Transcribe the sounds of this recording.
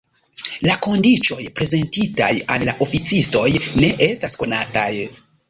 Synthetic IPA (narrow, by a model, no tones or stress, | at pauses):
lako̞ndit͡ʃo̞jpɾe̞ze̞ntita̰ja̰lːaʔo̞fit͡sisto̞jne̞ʔe̞stasko̞nataj